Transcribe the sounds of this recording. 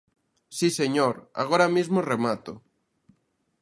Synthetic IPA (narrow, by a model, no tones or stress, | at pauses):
siseɲoɾa̰ɣ̞oɾamizmoremat̪o̰